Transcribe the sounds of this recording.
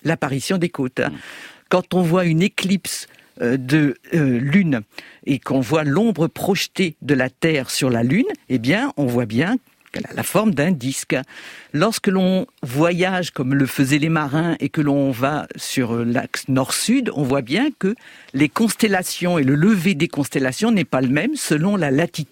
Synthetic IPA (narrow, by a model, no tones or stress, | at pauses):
lapaʁisjɔ̃d̪ekot̪kɑ̃t̪ɔ̃vwayneklips | d̪əlynekɔ̃vwalɔ̃bʁəpχɔʃt̪ed̪əlat̪ɛːʁsyʁlalynebjɛ̃ɔ̃vwabjɛ̃ | a̰la̰fɔʁmd̪ɛ̃d̪isklɔʁskəlɔ̃vwajaʒkɔmləfəzɛlemaʁɛ̃ekəlɔ̃vasyʁla̰knɔʁsyd̪ɔ̰̃vwabjɛ̃kəlekɔ̃st̪elasjɔ̃elələved̪ekɔ̃st̪elasjɔ̃nɛpaləmɛmsəlɔ̃lalat̪it̪d̪